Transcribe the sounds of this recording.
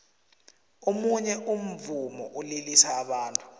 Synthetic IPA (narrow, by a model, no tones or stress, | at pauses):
omuɲɛʔum̩vumɔʔulilisaːɓaːntʼu̥